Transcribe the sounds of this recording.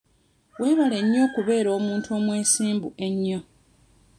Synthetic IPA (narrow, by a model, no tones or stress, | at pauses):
we̞ːβale̞ɲːo̞ːkuβe̞ːɾo̞ːmuːntuo̞ːmwe̞ːsiːmbuʔe̞ɲːo̞